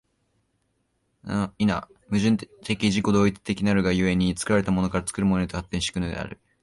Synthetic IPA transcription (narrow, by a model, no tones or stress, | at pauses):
ina̰ | mɯ̟ʑɨ̃nt̪e̞kʲiʑiko̞d̪o̞ːit͡sɨ̥t̪e̞kʲinaɾɯ̟ɡajɯe̞ɲ̟it͡sɨ̥kɯ̟ɾaɾe̞t̪amo̞no̞kaɾat͡sɨ̥kɯ̟ɾɯmonoit̪ohat̪ːẽɕi̥kɯ̟nod̪ḛa̰ɾɯ̟